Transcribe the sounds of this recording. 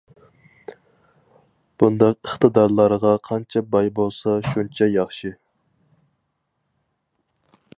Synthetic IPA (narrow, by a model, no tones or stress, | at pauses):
b̥und̪ɑqəχt̪ɨd̪ɑɾlˠɑɾʁɑqʰɑnt͡ʃʰɛbɑjbolˠsɑʃunt͡ʃʰɛjɑχʃi